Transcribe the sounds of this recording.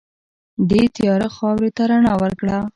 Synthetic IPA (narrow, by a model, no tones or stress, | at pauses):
d̪et̪jɑɾəxɑwɾet̪aɾaɳɑwəɾkɽa